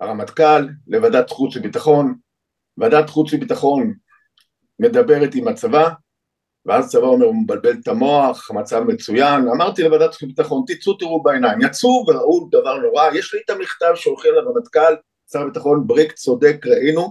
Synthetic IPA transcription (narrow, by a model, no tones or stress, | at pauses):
aʁamat̪kalːe̞vadat̪χut͡smibit̪aχo̞n | evadat̪χut͡smibit̪aχo̞n | me̞d̪abe̞ʁet̪imat͡sava | veazt͡savao̞me̞ʁumebalbe̞lt̪amo̞aχamat͡savmet͡sujanamaʁt̪ile̞vadat̪ibit̪aχo̞nt̪it͡sut̪iʁubaenajmjat͡suveʁaʔud̪avaʁno̞ʁajeʃliit̪amiχt̪avʃeolχialavamat̪kal | t͡savabit̪aχo̞nbʁikt͡so̞d̪e̞kʁaʔinu